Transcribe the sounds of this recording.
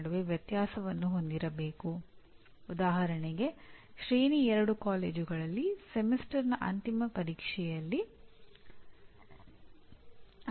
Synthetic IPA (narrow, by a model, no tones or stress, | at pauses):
ɽuʋeʋjɐt̪jaːsɐʋɐnːuɦo̞nd̪iɾɐbe̞ːku | ud̪aːɦɐɾɐɳɛɡe̞ʃɾeːniɛɾɐɽukaːle̞ːd͡ʒuɡɐɭɐlːisemisʈɐɾnɐʔɐ̰nt̪imɐpɐɾiːkʂɛjɐlːi